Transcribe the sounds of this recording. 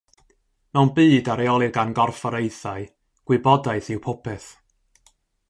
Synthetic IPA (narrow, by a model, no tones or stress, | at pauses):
mɛwnbiːdaɾeɔlˠɨɡanɡɔrfɔɾejθaɨ | ɡ̥wɪbɔdaɨθɪwpʰʊpʰɛθ